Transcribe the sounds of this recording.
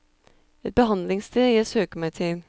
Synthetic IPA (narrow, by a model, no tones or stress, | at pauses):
ɛt̪̚bəɦɑnd̪lɪŋst̪ʰeːæsøːkəmæɪt̪ʰɪl